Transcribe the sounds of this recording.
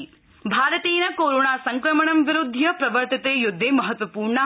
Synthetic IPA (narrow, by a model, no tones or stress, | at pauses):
bʱaːɾɐt̪iːnɐkoːɾoːɳaːsɐŋkɾɐmɐɳɐmʋiɾud̪ʱːjɐpɾɐʋɐɾt̪it̪eːjud̪ʱːeːmɐɦɐt̪ʋɐpuːɾɳɐ